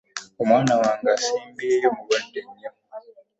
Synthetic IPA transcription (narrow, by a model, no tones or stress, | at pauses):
o̞mwaːnawaːŋɡaːsiːmbiejo̞muβandeɲːo